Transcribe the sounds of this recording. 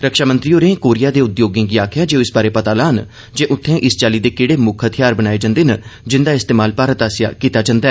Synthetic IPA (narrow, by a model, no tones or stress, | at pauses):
ɾəkʃaːmə̃nt̪ɾiːoːɾẽːkoːɾɪjaːd̪eːʊd̪joːɡẽːɡiːaːkʰɪjaːd͡ʒeːoɪsbaːɾeːpət̪aːlaːn | d͡ʒeːʔʊt̪ʰːẽːʔɪst͡ʃaːliːd̪eːkɪɽeːmʊkʰɦət̪ʰɪjaːɾbənaːeːd͡ʒãnd̪eːnəd͡ʒɪnd̪aːɪst̪eːmaːlpaːɾət̪aːsja̰ːkiːt̪aːd͡ʒãnd̪aɛ